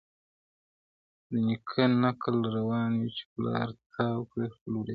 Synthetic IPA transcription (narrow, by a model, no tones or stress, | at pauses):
d̪əɲikʰanakəlɾawɑːnwit͡ʃɪ̥plɑ̰ːɾt̪ʰawkɽexluɾe